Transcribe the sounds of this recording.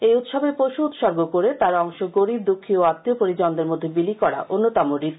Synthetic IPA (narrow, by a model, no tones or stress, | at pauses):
ejut̪ʃɔbepoʃuut̪ʃɔɾɡokoɾet̪aɾɔŋʃoɡoɾib̚d̪ukʰːioat̪ːiopoɾid͡ʑɔnd̪eɾmod̪ʱːebilikɔɾa̰ʔonːot̪amoɾi